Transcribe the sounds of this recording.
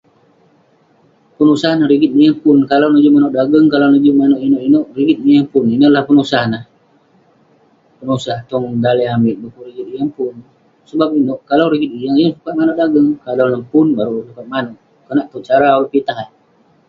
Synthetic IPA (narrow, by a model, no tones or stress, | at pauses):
pənusahnahɾiɡit̪̚nijaŋpʊnkalawnud͡ʒumanɔʔdaɡəŋkalawnud͡ʒumanoʔinoʔinoʔriɡit̪̚nijaŋpʊninəʔlahpənusanah | pənusaht̪ɔŋdaləambɪʔdukuɾiɡit̪ijaŋpʊn | səbap̚inoʔkalawɾiɡit̪̚ijaŋijaŋsukat̪̚manoʔdaɡəŋkalawnəmpʊnbaɾusukat̪̚manoʔ | kənaʔt̪uʔ̚t͡ʃaɾawipit̪aɦan